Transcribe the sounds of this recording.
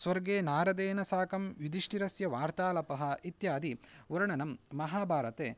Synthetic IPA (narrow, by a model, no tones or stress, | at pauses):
sʋɐɾɡeːnaːɾɐd̪eːnɐsaːkɐmʋjud̪iʂʈiɾɐsjɐʋaːɾt̪aːlɐpɐɦɐ̆it̪jaːd̪iuɾɐɳɐnɐmːɐɦaːbʱaːɾɐt̪eː